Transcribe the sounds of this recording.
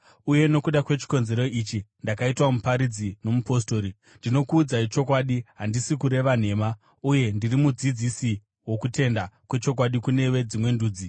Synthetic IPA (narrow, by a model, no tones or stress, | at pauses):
uje̞no̞kuɗakwe̞t͡ʃi̥ko̞nze̞ɾo̞it͡ʃindakaitwamupaɾid͡zino̞mupo̞sto̞ːɾi | ndino̞kuːd͡zait͡ʃo̞k̬waɗiɦandisikuɾe̞ʋan̤e̞ːma | uje̞ndirimud͡zid͡zisi | wo̞kute̞ndakwe̞t͡ʃo̞k̬waɗikune̞we̞d͡zimwe̞nduːd͡zi